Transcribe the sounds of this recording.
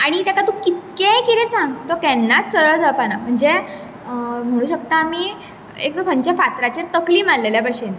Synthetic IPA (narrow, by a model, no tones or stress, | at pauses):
aɽ̃it̪akat̪ũkit̪̚kekiɾesãŋɡt̪okɛnːat͡ssəɾəɭd͡zaɭpanam̤əɳd͡ze | m̤əɽ̃ũːɕəkt̪aːmi | ḛk̪̚kəɳt͡ɕafat̪ɾat͡ɕeɾt̪əkliːmãnleljabəɕen